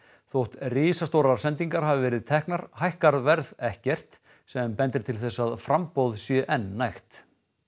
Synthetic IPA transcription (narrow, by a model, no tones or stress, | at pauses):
θowht̪rɪːsast̪owɾaɾ̥sɛnt̪iŋkaɾ̥ɦavɪvɛːɾɪðt̪ʰɛhknaɾ̥hajhkaɾvɛɾðɛhcɛr̥t̪ | sɛmpɛnt̪ɪɾt̪ʰɪlθɛsːaðfɾampowðsjʏʔɛnːajxt̪